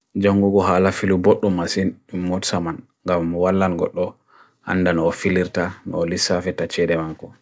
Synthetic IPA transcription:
d͡ʒoŋɡuɡɔɦaːlafiluboɗːumasinmːutsaman | ŋɡamwalːanɡɔ̰ɗːɔ | ʔa̰ndanɔːfiliɾtanɔ̰ːlisafɛtat͡ʃɛdɛmakːɔ

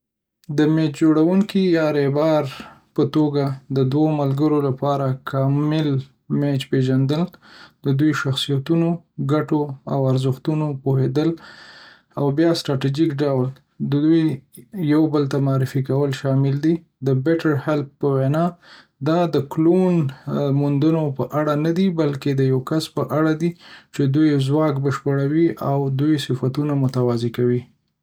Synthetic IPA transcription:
d̪əmet͡ʃd͡ʒoɽawuŋkijɑɾebɑɾ | pət̪oɡad̪əd̪wamalɡəɾolapɑɾakʰɑmɪl | met͡ʃpeʒand̪əld̪əd̪ujʃaxsijat̪unoɡaʈoawaɾzəxt̪unopohed̪əl | awbjɑsʈɾɑʈid͡ʒikɖawl | d̪əd̪ujːawbəlt̪amaɑɾɪfikawəlʃɑmɪld̪i | d̪əbɛʈaɾhɪlpːəwenɑ | d̪ɑd̪əklonmund̪ənopəʔaɽanad̪ibalked̪əjawkaspəʔaɽad̪it͡ʃed̪ujzwɑkbəʃpəɽawiʔawd̪ujsɪfat̪unamʊt̪awɑzekawi

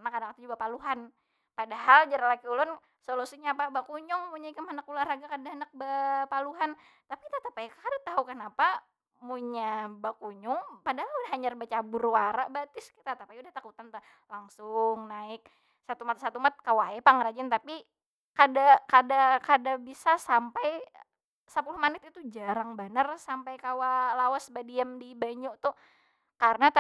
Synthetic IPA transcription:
nakadakat̪ud͡ʒuɡapaluɦan | padaɦald͡ʒaɾalakiulʊn | solusiɲapabakuɲʊŋmuɲaikəmənakularaɡakadaɦənak̚bapaluɦan | t̪apikt̪at̪apajkkadat̪aɦukənapa | muɲabakuɲʊŋpadahaludahɦaɲarbat͡ʃabʊrwaɾaʔbat̪ɪskit̪at̪apajudaht̪akut̪ant̪a | laŋsʊŋnaɪk̚ | sat̪umat̪̚sat̪umat̪̚kawaɛpaŋɾad͡ʒɪnt̪api | kadakadakadabisasampaj | səpulʊhmanɪt̪it̪ud͡ʒaɾaŋbənarsampajkawalawasbadiamdibaɲuʔt̪ʊ | kaɾənat̪a

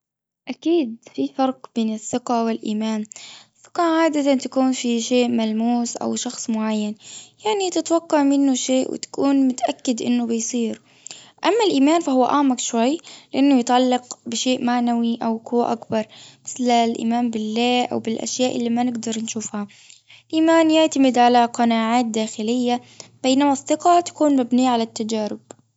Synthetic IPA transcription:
ʔakiːd̪fifɑɾˤqb̥eːnɪθːɪqawɪlʔḭːmaːnɪθːɪ̥qɑʕaːd̪at̪ant̪akuːnfiʃeːʔmalmuːsʔa̰wʃɑxsˤmʊʕajːanjaʕnit̪ɪt̪wɑqːɑʕmɪnːʊʃeːʔwɪ̰t̪ḁkuːnmʊt̪aʔakːɪd̪ʔɪ̰nːʊbɪjsˤiːɾ | ʔamːalʔiːmaːnfahʊwːaʔaʕmakʃwajːlɪʔanːʊjɪt̪ʕalːɑqbɪʃeːʔmaʕnawiʔawkuwːa̰ʔakbɑɾˤmɪ̥θlalʔḭːmaːmbɪlːaːʔa̰wbɪlʔa̰ʃjaːʔɪlːimanɪɡd̪ɑɾˤnʃuːfha | lʔiːmaːnjɪʕt̪amɪd̪ʕalaqɑnaːʕaːt̪̚d̪aːxɪlɪjːa | b̥ajnamasθˤːɨqɑt̪ḁkuːnmabniːʕalat̪ːad͡ʒaːɾɪb̥̚

